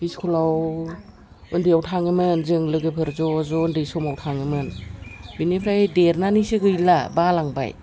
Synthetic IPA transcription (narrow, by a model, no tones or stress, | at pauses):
biskʰulaw | ɯndijawtʰaŋɯmɯnzɯŋlɯɡɯpʰɯɾzɔzɔndɯsɔmawtʰaŋɯmɯnbinepʰɾajdeɾnanisɯɡɯjlabalaŋba̰j